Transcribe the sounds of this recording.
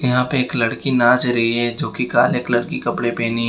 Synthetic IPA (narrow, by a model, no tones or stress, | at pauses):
jɐɦãpeeːklɐɽkinãːt͡ʃɾɐɦiɦɛd͡ʒoːkikaːleːklɐɽkikɐpɽepeːniɦ